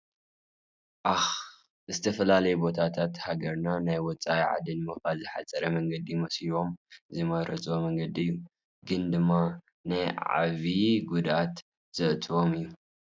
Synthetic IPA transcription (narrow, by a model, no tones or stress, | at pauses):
ʔax | zɨt̪ʰɐfɐlalɐjɛbo̞t̪ʰat̪ʰat̪haɡɐɾnanajwɔt͡sʼaiʕa̰d̪ɨnmɐxalzɨħa̰t͡sʼɐɾɐmɐŋɡɐd̪imɐsiβo̞mzɨmɐɾɐt͡sʼomɐŋɡɐd̪iɨjːu | ɡɨnd̪ɨmːa | najʕa̰βiɡud̪ʔat̪ | z̥ɨʔt͡sʼwo̞mɨjːu